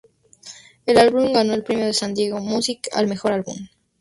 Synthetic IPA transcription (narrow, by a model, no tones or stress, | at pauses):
e̞lalβumɡano̞elpɾemjo̞ðe̞sand̪je̞ɣo̞musika̰lme̞xo̞ɾalβṵm